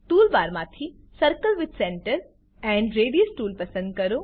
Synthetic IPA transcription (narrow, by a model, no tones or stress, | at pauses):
tuːlbaːɾmãːt̪ʰi | sɐɾkəlʋɪd̪sɛ̃ːɳʈəɾ | ɛ̃ɳɖɾeːɖiosʈuːlpɐsə̃nd̪̚kɐɾo